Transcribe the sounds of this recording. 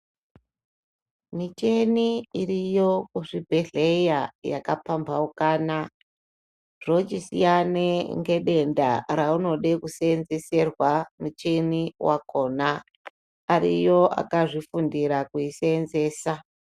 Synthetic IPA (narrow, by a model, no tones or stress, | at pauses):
mit͡ʃe̞niirijo̞kuʐibʱeɮejaja̰kapambaukaːna | ʐ̥ot͡ʃisḭjaneŋɡe̞ɗe̞nda̰ɾauno̞ɗekusenze̞se̞rwamut͡ʃeniwako̞ːnaː | ɾḭjo̞ʔa̰kaʐifundiɾakuisenze̞ːsa